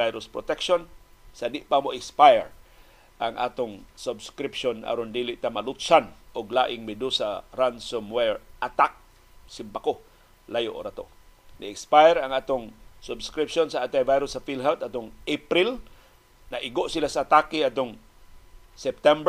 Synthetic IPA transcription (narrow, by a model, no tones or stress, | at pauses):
ajɾʊspɾot̪ɛkʃon | sad̪ɪʔpamoʔɪkspajɹ | ʔaŋʔa̰ːt̪oŋsʊbskɾipʃona̰ɾond̪iːlɪʔt̪amalʊt̪sanʔʊɡla̰ːʔɪŋmɪd̪usaɾansomwɛɹʔat̪ak̚ | sɪmbako | lajoʔo̰ɾat̪o̰nɪɪkspajɾaŋaːt̪oŋsʊbskɾipʃonsaʔat̪ajvajɾʊsafilɦɛwt̪at̪oŋʔepɾil | nɐʔɪɡoʔsilasaːt̪aːkɪat̪oŋ | sɛp̚t̪ɛmb